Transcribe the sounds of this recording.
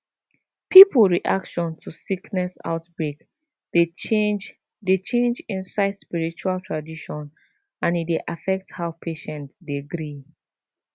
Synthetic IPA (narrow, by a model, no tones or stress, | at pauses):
pʰipəlɹiʔakʃɔ̃ntʰusiknɛsa̰ʊtbɹek | d̥eed͡ʒ | det͡ʃẽnd͡ʒĩnsaɪdspiɹit͡ʃualtʰɹadiʃɔ̃n | ãnideʔafɛk̚thaʊpʰeʃɛ̃ntdiɡɹi